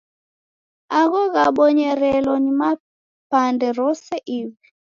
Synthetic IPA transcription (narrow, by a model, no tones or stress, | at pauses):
aɣɔɣaɓɔɲɛɾɛlɔnima | pandɛɾɔsɛʔiβɛ